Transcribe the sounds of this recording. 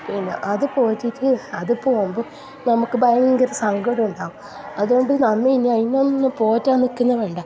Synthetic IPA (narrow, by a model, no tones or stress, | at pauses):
pinːḛʔɐðɨpo̞ːtːitːɨɐðɨpo̞ːmbɨ | nɐmukːɨbɐjɐŋɡŋɡɐɾɐsɐŋɡoɽuɳɖaːɣum | ɐðuɡo̞ɳɖɨnɐmːɐinːiɐjinːonːɨpo̞ːtːaːnːikːunːɐʋe̞ːɳɖɐ